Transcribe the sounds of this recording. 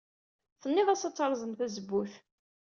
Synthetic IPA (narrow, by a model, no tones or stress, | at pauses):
θənːɪðˤæsɑt͡sːəɾˤzˤəmθæzəbːuθ